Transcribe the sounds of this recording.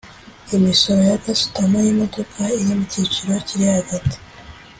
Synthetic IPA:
imiso̞ɾo̞jaɡasu̥tamajimoto̞kʰaijimicit͡ʃiɾociɾihaɡate̥

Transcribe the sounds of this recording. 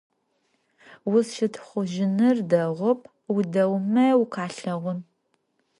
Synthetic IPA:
wʊzʃɪtʰχʷʊʒɪnɨrdɐʁʷʊp̚ʰʼ | wdɐwmɐwqʰaːɬɐʁʷʊn

